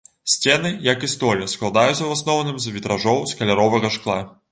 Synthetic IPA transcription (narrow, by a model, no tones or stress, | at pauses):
sʲt͡sʲɛnɨjɐkist̪ɔlʲɛsklˠad̪ajut̪sʲɐwasnɔwnɨmzvʲit̪ɾaʐɔwskɐlʲaɾɔvɐɣɐʂklˠa